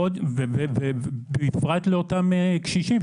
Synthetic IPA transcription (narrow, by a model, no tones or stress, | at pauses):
od̪vevevebeifʁat̪leotamekʃiʃim